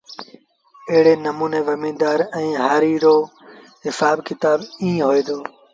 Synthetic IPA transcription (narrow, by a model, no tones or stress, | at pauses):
əɦɪɽeːnəmuːneːʋəmĩːd̪aːɾɛ̃ːɦaːɾiːɾoː | ɦɪsaːbkɪt̪aːbĩːɦoːeːd̪oː